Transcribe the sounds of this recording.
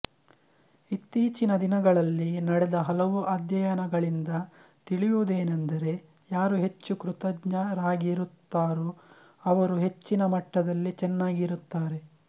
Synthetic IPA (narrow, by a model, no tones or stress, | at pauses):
it̪ːiːt͡ʃinɐd̪inɐɡɐɭɐlːinɐɽed̪ɐɦɐlɐʋuʔaːd̪jɐjɐnɐɡɐɭind̪ɐ | t̪iɭijoːd̪e̞ːnɐnd̪ɐɾe̞ | jaːɾuɦe̞t͡ʃːukɾut̪ɐɡɲɐɾaːɡiɾut̪ːaːɾu | ɐʋɐɾuɦe̞t͡ʃːinɐmɐʈːɐd̪ɐlːit͡ʃɛnːaːɡiɾut̪ːaːɾe̞